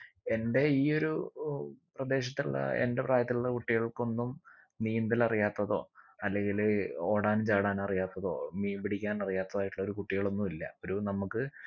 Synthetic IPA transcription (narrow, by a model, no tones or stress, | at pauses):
e̞nde̞iːo̞ɾu | prɐd̪e̞ːɕɐt̪ːiṵɭːɐ̰ḛnde̞praːjɐt̪ːiluɭːɐkuʈːiɣɐɭko̞nːum | niːnd̪ilɐrijaːt̪ːɐðo̞ːɐlːe̞ŋɡilo̞ːɽaːnt͡ɕaːɽaːnɐrijaːt̪ːɐðo̞ːmiːmbiɽikʲːaːnɐrijaːt̪ːɐðaːjiʈːuɭːɐo̞ɾukuʈːiɣɐɭo̞nːumilːɐ̰oɾunɐmukːɨ